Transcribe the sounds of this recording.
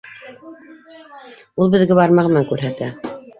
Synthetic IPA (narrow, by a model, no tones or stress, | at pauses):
ulˠbɘ̆ðɡæβɑɾmɑʁɤmæŋkʉɾɦæt̪æ